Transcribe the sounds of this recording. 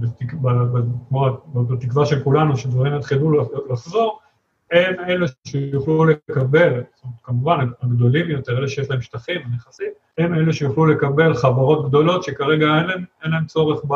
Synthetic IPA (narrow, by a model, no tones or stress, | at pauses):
bet̪ikbabakmoabbat̪ikvaʃe̞lkulanuʃedvaʁimjat̪χilulaχzo̞ʁ | hemeleʃejuχlule̞kabe̞ltomtkamuvanaaɡd̪o̞limjot̪eʁeleʃejeʃlae̞mʃtaχimaneχasit | heme̞leʃejuχlule̞kabe̞lχavaʁo̞t̪̚ɡd̪o̞lo̞t̪ʃe̞kaʁe̞ɡaenlaemenlae̞mt͡so̞ʁeχba